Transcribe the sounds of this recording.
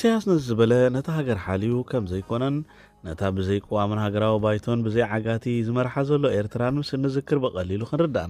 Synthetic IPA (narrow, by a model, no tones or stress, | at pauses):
sijasnɐzɨbɐlɐnɐt̪ʰaɦaɡɐɾħalijukʰɐmzɐjkʰo̞nɐnː | ɐt̪ʰabɨzɐjkʼɨwamunhaɡɐɾawibajt̪ʰo̞nbɨzɐjʕaɡat̪ʰizɨmɐɾħazɐlːo̞e̞ɾt̪ʰɨɾanmɨsɨlnɨzɨkʰːɨɾbɨkʼɐlilukʰɨnɾɨd̪a̰n